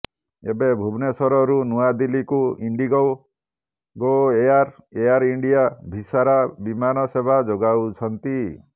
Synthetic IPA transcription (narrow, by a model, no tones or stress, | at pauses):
ḛbebʱubnesɔɾɔɾunuad̪ilikuiɳɖiɡɔw | ɡoeaɾeaɾiɳɖijabʱisaɾabimanɔsebʱad͡ʒoɡawt͡ʃʰɔnt̪i